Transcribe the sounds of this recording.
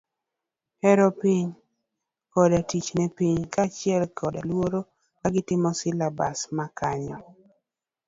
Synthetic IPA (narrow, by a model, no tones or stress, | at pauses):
hɛɾɔpiɲ | kɔdatit͡ʃnɛpiɲkat͡ʃɪɛlkʰɔdalwoɾo | kaɡɪtɪmɔsɪlabasmakaɲɔ